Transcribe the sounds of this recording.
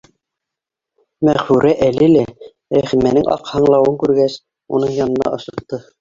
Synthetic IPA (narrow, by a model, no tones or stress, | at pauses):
mæʁfʉɾʔæʔælilæ | ɾæχimænɘŋʔɑ̰qhɑɴlˠɑwɤŋkʉɾɡæs | ṵnɤɴjɑnɤ̆nɑ̰ʔŏʃɤ̆qt̪ːɤ